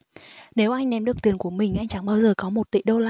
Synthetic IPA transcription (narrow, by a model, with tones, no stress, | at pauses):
ne˨˦wʔa˧jŋ̟ɗɛ˨˦mɗɨ˨˩ək̚t̪i˨˩ənku˧˩əmï˨˩ŋ̟ʔa˧jŋ̟t͡ɕa˧˩ŋɓaː˧wzəː˨˩kɔ˨˦mo˨˩t̚t̪ḭ˧˨ɗo˧la˧